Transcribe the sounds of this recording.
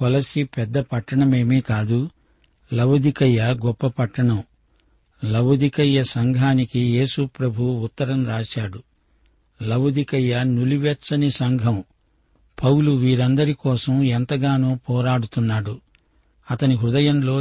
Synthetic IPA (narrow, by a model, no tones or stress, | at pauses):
kɔlɐsipɛd̪ːɐpɐʈːɐɳɐme̞ːmikaːd̪u | lɐwd̪ikɐjːɐɡɔpːɐpɐʈːɐɳɐm | lɐwɐd̪ikɐjːɐsɐŋɡʱaːnikije̞ːsupɾɐbʱuwuːt̪ːɐɾɐmɾaːt͡ʃaːɽu | lɐwd̪ikɐjːɐnuliʋɛt͡ʃːɐnisɐŋɡʱɐm | pʰɐwluʋiːɾɐnd̪ɐɾikɔːsɐmɛnt̪ɐɡaːnoːpɔːɾaːɽut̪unːaːɽu | ɐt̪ɐniɦɾud̪ɐjɐnlo̞ː